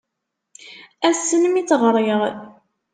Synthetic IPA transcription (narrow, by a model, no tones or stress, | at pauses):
æsːənmit͡sːʁɾˤeʁ